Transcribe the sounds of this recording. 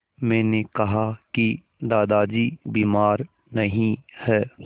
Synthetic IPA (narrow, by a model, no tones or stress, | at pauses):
mɛ̃ːnekɐɦaki | d̪aːd̪aːd͡ʒibiːmaːɾ | nɐɦĩhɛː